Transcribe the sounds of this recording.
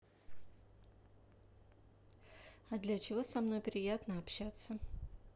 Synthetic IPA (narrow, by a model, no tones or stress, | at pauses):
ɐd̪lʲat͡ɕɪvo̞sɐmno̞jpɾʲɪjat̪nəɐpɕat̪sə